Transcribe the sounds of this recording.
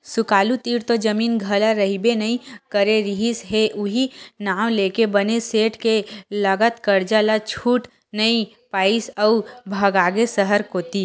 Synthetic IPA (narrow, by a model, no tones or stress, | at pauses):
sʊkaːlut̪iːɾt̪od͡ʒəmiːnɡʱɐlaɾəɦibenɐĩkəɾeɾiɦisɦeʔʊɦinaːʋ̃leːkebəneseːʈkelɐɡət̪kəɾd͡ʒalat͡ʃʰuːʈ | nəĩ | paːisəʊbʱɐɡaːɡesəɦəɾkoːt̪i